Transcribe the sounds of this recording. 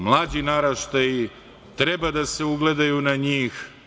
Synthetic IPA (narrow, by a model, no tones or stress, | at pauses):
mlˠaːd͡ʑinaɾaʃt̪ai | t̪ɾe̞bad̪ase̞uɡle̞d̪ajunaɲiːx